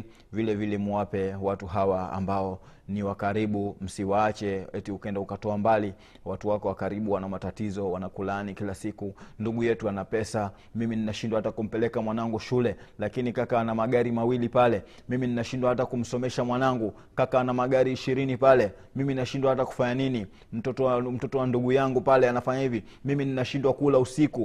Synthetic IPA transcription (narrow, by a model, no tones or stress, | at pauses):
vilɛvilɛmuwapɛwatuɦawaa̰mbaɔ | niwakaɾiɓum̩siwat͡ʃɛɛtiukɛndaukatɔambali | watuwakɔwakaɾiɓuwanamatatizɔwanakulanikilasikunduɠujɛtuanapɛsa | mimininaʃindwahatakum̩pɛlɛkamwanaŋɡuʃulɛlakinikakanamaɠaɾimawilipalɛ | mimininaʃindwahatakum̩sɔmɛʃamwanaŋɡu | kakanamaɠaɾiːʃiɾinipalɛ | mimininaʃindwahataku̥faɲanini | m̩tɔtɔm̩tɔtɔwanduɠujaŋɡupalɛanafaɲahivi | mimininaʃindwakulausiku